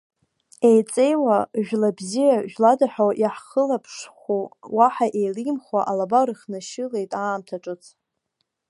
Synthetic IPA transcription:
ejt͡sʼe̞jwaʒᶣlabzijaʒᶣladaħᶣoʔiħχəlapʰʂχʷuwaħaʔe̞jlimχwaʔalabaɾɨχnaʃɪle̞jtʼaːmtʰaʈ͡ʂʼɨt͡sʰ

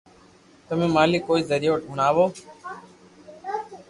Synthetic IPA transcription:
t̪əmẽːmaːliːkoːiːzəɾɪjoːʈɡʱʊɳaːʋoː

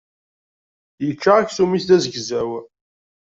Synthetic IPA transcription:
jət͡ʃːaʁaksumiθðæzəɡzæw

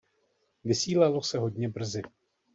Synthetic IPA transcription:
vɪsiːlalo̞sɛɦo̞dɲɛbr̩zɪ

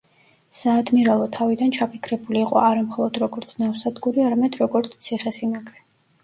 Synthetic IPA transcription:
saːd̪miɾalˠɔt̪ʰavid̪ant͡ʃʰapʰikʰɾɛbuliːqʼɔ̰aɾamχɔlˠɔd̪ɾɔɡɔɾt̪sʰnafsad̪ɡuɾiaɾamɛd̪ɾɔɡɔɾt̪sʰt̪sʰiχɛsinaɡɾɛ

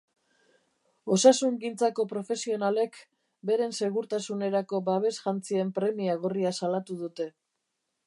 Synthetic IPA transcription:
o̞sasuŋɡint͡sako̞pɾo̞fe̞sio̞nale̞k | be̞ɾe̞nse̞ɣuɾt̪asune̞ɾako̞baβ̞e̞sʝant͡sie̞mpɾe̞miaɣ̞oriasalat̪uðut̪e̞

